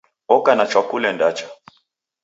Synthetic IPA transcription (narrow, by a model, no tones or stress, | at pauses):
ɔkanat͡ʃwakulɛndat͡ʃḁ